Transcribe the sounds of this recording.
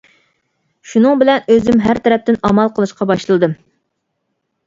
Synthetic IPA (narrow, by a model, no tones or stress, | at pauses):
ʃunɨŋbɪlɛnøzymɦæɾt̪ʰɛɾɛp̚t̪ɪnɑmɑlˠqʰəlˠɨʃqɑbɑʃlˠɨd̪ɨm